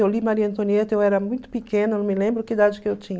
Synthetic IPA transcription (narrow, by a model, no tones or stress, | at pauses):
ewlimaɾiɐẽnt̪õniet̪ewɛɾɐmũj̃t̪ʊ̥pikẽnɐnɐ̃w̃mɪlẽmbɾʊkɪd̪ad͡ʒɪkɪewt͡ʃĩɲ